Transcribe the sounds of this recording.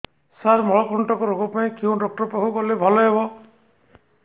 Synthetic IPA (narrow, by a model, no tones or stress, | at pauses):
saɾmɔɭɔkɾuɳʈɔkɔɾoɡɔpaĩkeũɖɔk̚ʈɔɾpɔɦukɔlebʱɔlɔɦebɔ